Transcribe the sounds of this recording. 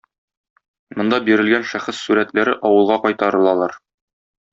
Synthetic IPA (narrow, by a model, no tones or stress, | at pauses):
mŏnd̪ɑbiɾɘ̆lɡænʃæχɘsːuɾæt̪læɾɘʔɒwɤ̆lˠʁɑqɒjt̪ɑɾɤ̆lˠɑlˠɑɾ